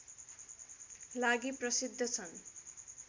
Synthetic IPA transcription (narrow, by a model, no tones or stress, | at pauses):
laɡiprʌsid̪ʱːʌt͡sʰʌn